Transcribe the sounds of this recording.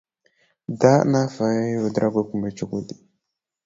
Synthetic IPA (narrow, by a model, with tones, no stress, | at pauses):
da˦na˦fa˨˦i˦wa˨dɾʔa˦ɡʷi˦ku˨m˨i˦t͡ʃu˦ku˦di˨